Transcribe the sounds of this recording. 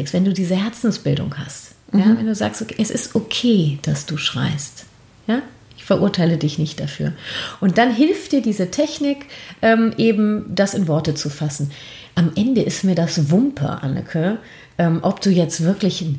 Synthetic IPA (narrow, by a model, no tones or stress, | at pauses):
ɪkstv̥ɛnduːdiːzəhɛɐt͡sn̩sb̥ɪldʊ̰ŋha̰st | jjaːvɛnduːza̰ːkstʔokːʔɛsɪstʔokʰeːd̥asd̥uːʃʁ̥a̰ɪst | jaː | ʔɪçfɐʔʊɐtʰaɪlədɪçnɪçtd̥afy̰ːɐʔʊnt̚d̥anɦɪlftd̥iːɐdiːzətʰɛçnɪkʔɛːmʔeːbm̩d̥asɪnvɔɐtət͡sufasn̩ | ʔamʔɛndəʔɪstmiːɐdasvʊmpʰɐ̰ʔa̰nə̰kʰə | ʔɛːmʔɔp̚d̥uːjɛt͡stv̥ɪɐklɪçn